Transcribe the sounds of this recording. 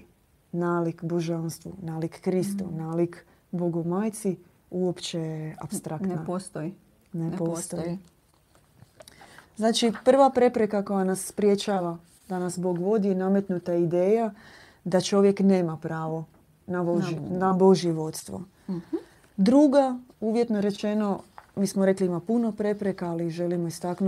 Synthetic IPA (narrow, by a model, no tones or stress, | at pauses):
naːlikbo̞ʒanst̪ʋṵnaːlikːɾist̪ṵnaːlik | boɡomaːjt̪si | uopt͡ʃejea̰pst̪ɾʔakt̪napst̪ | nepost̪t̪oi | znaːt͡ʃipr̩ʋapɾe̞pɾe̞kako̞janasːpɾje̞t͡ʃaːʋa | d̪anasbo̞ɡʋo̞d̪ijename̞t̪nut̪aid̪e̞ːja | d̪at͡ʃo̞ʋje̞kneːmapɾaːʋo̞ | naonabo̞ʒjeʋo̞t̪st̪ʋo̞̰ | d̪ɾuɡauːʋjet̪noɾe̞t͡ʃe̞no̞miːsmoɾe̞kliimapuno̞pɾe̞pɾe̞kaːliʒe̞limo̞ist̪aknu